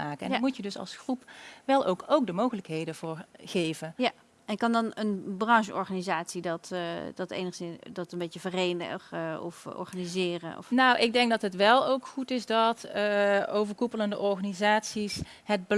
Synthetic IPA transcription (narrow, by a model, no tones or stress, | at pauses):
aːkəɛ̰nmutjədɵsɑ̰lˠsxrupʋɛlˠowkowk̚dəmowɣələkɦejdəvʊːɹɣejvənja | ɛnkɑndɑnənbrɑŋʒəɔɹχanizaːtsidɑtd̥ɑtḛjnəχsɪndɔtəmbejtəvərejnə̰xɔ̰fɔ̰ɹχanizɪːrə̰nɔ̰fnawʔɪɡ̚dɛŋk̚dɑtɦətʋɛlˠowkχutɪsdɑt | owvəɹkupələndəʔɔɹχanizaːtsis | ɦəd̚bə